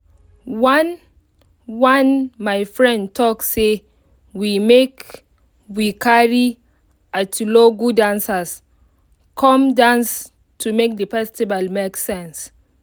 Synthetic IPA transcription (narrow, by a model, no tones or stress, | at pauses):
wãn | wãnmajfɹɛ̃ndtʰɔkːe | wimek | wikʰaɹi | atʰuloɡudãnsas | kʰɔ̃mdãns | tʰumek̚dəfɛstibalmeksɛ̃ns